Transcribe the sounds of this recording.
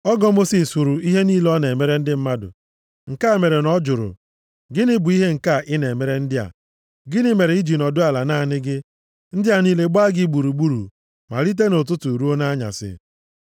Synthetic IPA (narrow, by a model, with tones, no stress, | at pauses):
ɔ˦ɡɔ˦mo˦si˨su˨ɾʊ˨i˦ɦe˦niː˦lɔ˦ne˨me˨ɾe˦n̩˦dɪ˦m̩˦ma˦dʊ̰˨ | ŋ̩˨ka˦e˨me˨ɾe˨nɔ˦d͡ʒʊ˨ɾʊ̰˨ | ɡɪ˦nɪ˦bʊ˨i˦ɦe˦ŋ̩˨ka˦˨ʔɪ˦ne˨me˨ɾe˦n̩˦dɪ˦a̰˨ | ɡɪ˦nɪ˦me˨ɾe˨i˦d͡ʒi˨nɔ˨dʊ˦a˨la˨na˦˨nɪ˦ɡɪ˦ | n̩˦dɪ˦a˨niː˦le˦ɡ͡ba˦ɡɪ˦ɡ͡bu˨ɾu˨ɡ͡bu˦ɾṵ˨ | ma̰˨ɾi˦t̬e˦no˨t̬ʊ˦tu˨ɾu˦o˦na˦ɲa̰˨sɪ̰˨